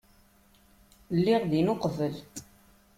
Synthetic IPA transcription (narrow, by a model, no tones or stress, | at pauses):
lːiʁðinoqvəl